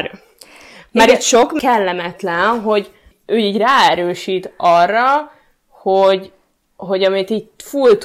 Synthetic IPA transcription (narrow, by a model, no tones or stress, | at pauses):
maɾit̪ʃo̞kkɛlːɛmɛt̪lɛnɦo̞ɟ | øːiːɟraːɛɾøːʃiːt̪ɒrːɒ | hoɟ | ɦo̞ɟɒmit̪iːɟfult̪